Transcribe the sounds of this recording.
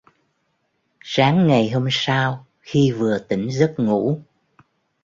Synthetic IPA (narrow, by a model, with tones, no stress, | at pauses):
saː˨˦ŋːa˨˩jɦo˧msaː˧w | xi˧vɨ˨˩ət̪i˧˩ŋ̟zə˦˥t̚ŋṵ˧˥